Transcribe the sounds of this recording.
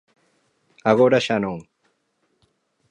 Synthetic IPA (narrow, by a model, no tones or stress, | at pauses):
aɣoɾaʃanoŋ